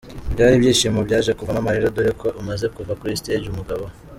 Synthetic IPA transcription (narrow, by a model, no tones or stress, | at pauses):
bɟaːɾibjiːʃimobɟaːʒe̞kuvanamaɾeɾodoɾekʰo̞ʔumaze̞kuvakuɾisted͡ʒumuɡaβo